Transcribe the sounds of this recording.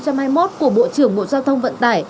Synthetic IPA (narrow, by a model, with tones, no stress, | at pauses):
t͡ɕa˧mhaː˧jmo˦˥t̚ku˧˩əɓo̰˧˨t͡ɕɨ˧˩əŋɓo̰˧˨zaː˧wt̪ʰə˧wŋ͡mvə̰˧˨nt̪aː˧˩j